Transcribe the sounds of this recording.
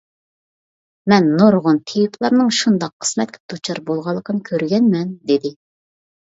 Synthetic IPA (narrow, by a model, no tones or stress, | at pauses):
mɛnːuɾʁʊnt̪ʰejpʰlˠɑɾnɨŋʃund̪ɑqʰːə̥smɛt̪̚kʲʰɛ̥d̪ut͡ʃʰɑɾbolˠʁɑlˠːəqʰənɨkʲʰøɾɡʲɛnmɛnd̪ed̪ɪ